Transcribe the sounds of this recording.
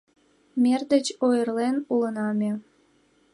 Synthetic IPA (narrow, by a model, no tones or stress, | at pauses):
mʲerd̪ət͡ɕojərlenulənɑmʲe